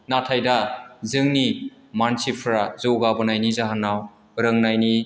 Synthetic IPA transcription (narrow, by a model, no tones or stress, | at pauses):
natʰajdazɯŋni | mansipʰɾazɯwɡabɯnajnizaɦanːaw | ɾɯŋnajni